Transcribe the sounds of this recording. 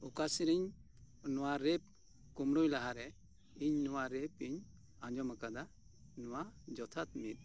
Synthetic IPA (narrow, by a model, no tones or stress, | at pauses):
ɔkasiɾiɲ | nɔwaɾɛp̚ | kumɾujlaɦaɾɛ | iɲnɔwaɾɛpiɲ | aɲd͡ʒɔmakad̪a | nɔwad͡ʒɔt̪ʰat̪̚mit̪̚